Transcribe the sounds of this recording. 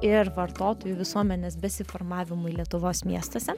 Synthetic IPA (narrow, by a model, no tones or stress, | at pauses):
ɪɾʋɐɾt̪oːt̪oːjʊʋʲɪsuɔmʲɛnʲeːsbʲɛsʲɪfoɾmɑːʋʲɪmʊɪlʲiɛt̪ʊʋoːsmʲiɛst̪ɐːsʲɛ